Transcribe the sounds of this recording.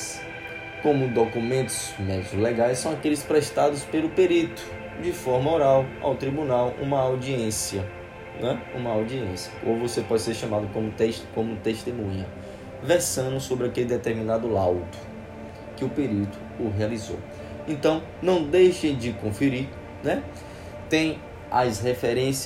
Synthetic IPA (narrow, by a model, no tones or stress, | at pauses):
s | kõmʊd̪okumẽnt̪ʊ̥z̥mɛd͡ʒiʊlɛɡajssɐ̃w̃akelɪspɾɛʃt̪ad̪ʊspelʊpeɾit̪ʊ̥ | d͡ʒɪfɔɾmɐoɾawa̰wt̪ɾibũnawʔṵ̃mɐawd͡ʒiẽsiɐ | nɛṵ̃mɐawd͡ʒiẽsjɐʔovosepɔd͡ʒɪseɾʃɐ̃mad̪ʊkõmʊt̪eʃkõmʊt̪eʃt̪emũɲɐ | vɛɾsɐ̃ʊsobɾɪakelɪd̪ɛt̪eɾmĩnad̪ʊlawt̪ʊ̥ | kɪʊpeɾit̪ʊ̥ | ʊɦealizo̰w | ẽnt̪ɐ̃w̃ | nɐ̃w̃d̪ejʃẽj̃d͡ʒɪkõfiɾi | nɛ | t̪ẽj̃ | ɐ̰shefɛɾẽs